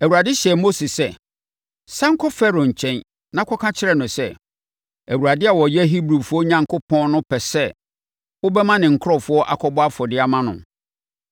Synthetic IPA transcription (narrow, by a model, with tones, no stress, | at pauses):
æ˨wu˨ɾa˨dɪ˦ɕɛ˨mo˦si˨sɛ˦ | sã˦ŋ̩˦kʰɔ˦fɛ˦ɾo˨ɲ̩˨t͡ɕʰɛ̃˦n | nã˦kʰɔ˦kʰã˦t͡ɕʰɪ˦ɾɛ˦˨nʊ̃˨sɛ˦˨ | æ˨wu˨ɾa˨dɪ˦a˨wɔ˨jɛ˦ɦi˦bɾu˨fʊ˦ɔ˦ɲã˨ŋkʰʊ˦pʰɔ̃˦nnʊ̃˦pʰɛ˨sɛ˦ | wʊ˦bɛ˦mã˦nɪ̃˨ŋ̩˨kʰʊ˦ɾɔ˨fʊ˦ɔ˦ʔa̰˦kʰɔ˦bɔ˦a˦fɔ˨dɪ˦a˨mã˦nʊ̰̃˨